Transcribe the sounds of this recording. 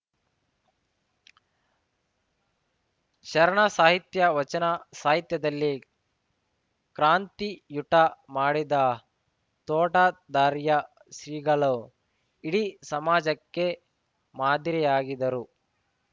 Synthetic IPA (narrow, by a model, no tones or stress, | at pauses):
ʃɐɾɐɳɐsaːɦit̪jɐʋɐt͡ʃɐnɐsaːɦit̪jɐd̪ɐlːi | kɾaːnt̪ijuʈɐmaːɽid̪ɐ | t̪ɔːʈɐd̪aːɾjɐ | ʃɾiːɡɐɭo | iɽisɐmaːd͡ʒɐkːe̞ | maːd̪iɾijaːɡid̪ɐɾu